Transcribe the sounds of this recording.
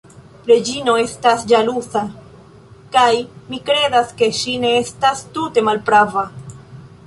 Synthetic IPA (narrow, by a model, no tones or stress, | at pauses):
ɾe̞d͡ʒino̞e̞stasd͡ʒalusa | kajmikɾe̞daske̞ʃine̞estastute̞malpɾava